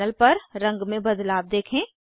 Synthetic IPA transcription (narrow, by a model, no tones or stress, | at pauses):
əlpɐɾːɐ̃ŋɡmẽbɐd̪laːb̚d̪eːkʰẽː